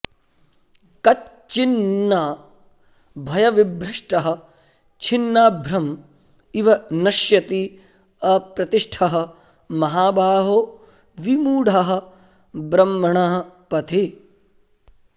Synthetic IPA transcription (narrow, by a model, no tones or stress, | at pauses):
kɐt | t͡ʃinːaː | bʱɐjɐʋibɾɐʂʈɐɦɐ̆ | t͡ʃʰinːaːbʱɾɐm | iʋɐnɐʃjɐt̪i | ɐpɾɐt̪iʂʈʰɐɦɐ̆ | mɐɦaːbʱaːɦoː | ʋimuːɽʱɐɦɐ̆ | bɾɐmːɐɳɐɦɐpɐt̪ʰi